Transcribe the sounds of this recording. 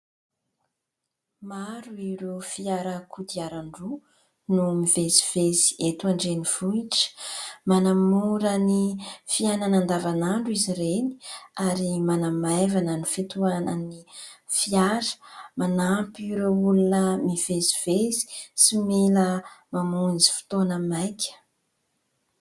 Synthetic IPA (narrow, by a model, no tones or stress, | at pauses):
maɾuiɾofiaɾəkud̪iaɾaɳɖ͡ʐu | numivezi̥v̥ezi̥et̪uaɳɖ͡ʐeniv̥uiʈ͡ʂə̥manamuɾənifiananand̪avanaɳɖ͡ʐuiziɾeni̥aɾimanamajvanənifit̪uanənifiaɾə̥manapɾeulunəmiv̥eziv̥ezi̥simeləmamunzi̥fi̥t̪onəmajkʰʲə̥